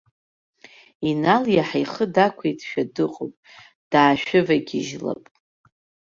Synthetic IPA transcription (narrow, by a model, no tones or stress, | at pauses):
inaljaħajχədakʷʰejtʰʼʃᶣadɨqʼo̰pʼ | d̥aːʃᶣɪvaɡʲɪʒla̰pʼ